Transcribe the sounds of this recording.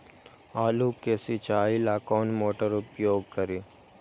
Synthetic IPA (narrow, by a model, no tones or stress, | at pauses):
aːluːkeːsit͡ʃaːilaːkoːnmoːʈəɾʊpjoːɡ̚kəɾiː